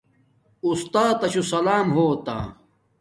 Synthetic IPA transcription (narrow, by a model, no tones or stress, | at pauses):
ust̪aːt̪ɐɕusɐlaːmɦoːt̪a̰ː